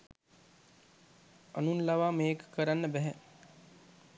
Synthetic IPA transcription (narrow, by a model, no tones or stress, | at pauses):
anunlaʋaːmeːkə̥kəɾanːəbɛɦɛ